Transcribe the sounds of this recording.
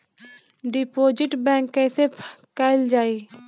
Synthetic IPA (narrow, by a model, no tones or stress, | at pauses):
ɖɪpoːd͡ʒɪʈbɛ̃ːŋkːɛːsepkɛld͡ʒaːiː